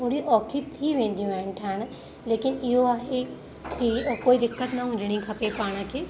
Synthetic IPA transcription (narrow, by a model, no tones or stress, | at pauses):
oːɽiʔɔːkʰit̪ʰiːʋẽːnd̪ijũɛ̃ːɳʈʰən | leːkɪnɪoaːɦe | kiokoːid̪ɪkːət̪naɦũːd͡ʒɪɽ̃ĩkʰɐpepaːɽ̃akʰeː